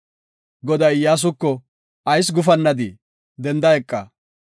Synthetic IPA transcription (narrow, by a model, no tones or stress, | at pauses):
ɡɔd̪ɐjjaːs̬ʊkːɔ | ɐjs̬ɡʊfɐnːɐd̪i | d̪ɛnd̪ɐjɛkʼːɐ